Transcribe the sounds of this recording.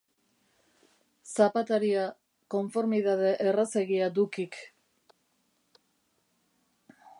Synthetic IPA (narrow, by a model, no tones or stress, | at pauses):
sapat̪eɾia | ko̞ɱfo̞ɾmiðað̞e̞ʔeraseɣiad̪ukik